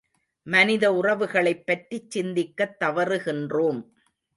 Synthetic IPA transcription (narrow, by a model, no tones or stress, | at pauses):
mɐnɪðɐʊrɐʋɯɣɐɭɐɪpːɐʈrit͡ʃːɪnd̪ɪkːɐt̪ːɐʋɐɾɯɣɪndroːm